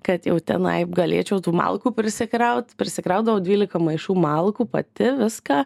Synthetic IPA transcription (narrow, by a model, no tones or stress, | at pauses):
kɐt̪jɛʊt̪ʲɛ̰nɐ̰ɪpɡɐlʲḛːt͡ʃʲɛʊt̪uːmɑ̰lˠkuːpʲɾʲɪsʲɪkɾɐʊt̪ʲpʲɾʲɪsʲɪkɾɐʊt̪d̪ɐʋɐʊdʲʋʲiːlʲɪkɐmɐɪʃuːmɑlˠkuːpɐ̰t̪ʲɪʋʲɪskɑː